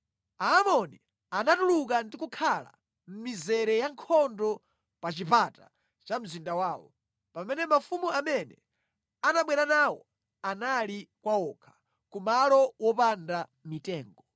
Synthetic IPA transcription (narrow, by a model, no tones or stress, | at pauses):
aːmɔnḭ | anatuluk̬andikukʰala̰ | m̩mizɛɾɛjaŋkʰɔndɔ | pat͡ʃipata̰ | t͡ʃam̩zindawaːwɔ̰ | pamɛnɛmafumuamɛnɛ̰ | anaɓwɛɾanawɔ̰ | analikwaɔkʰḁ | kumalɔwɔpandamitɛːŋɡɔ